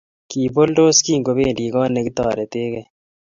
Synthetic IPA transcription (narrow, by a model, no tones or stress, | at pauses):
kiːbolɖoːskiːɡobeːliːɡɑ̃ːneɡt̪ɑːɾet̪eːɡe